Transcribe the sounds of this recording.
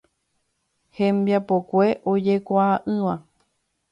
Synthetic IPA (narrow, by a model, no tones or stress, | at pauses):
hẽmbjapokʷe̞ʔod͡ʒe̞kʷaːʔɨ̃ʋã